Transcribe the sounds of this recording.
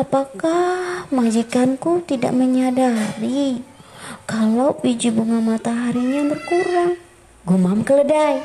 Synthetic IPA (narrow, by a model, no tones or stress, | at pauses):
apakahmad͡ʒikankut̪ida̰ʔməɲadaɾi | kalabid͡ʒibuŋanmat̪aɦaɾiɲant̪ərkuɾaŋ | ɡumamkələdaj